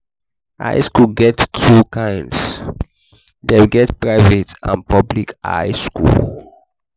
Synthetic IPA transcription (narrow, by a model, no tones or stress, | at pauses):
ʔa̰ɪskulɡɛttʰɹukãɪ̃nds | dewɡɛtpɹaɪvetã̰npɔblika̰ɪskṵl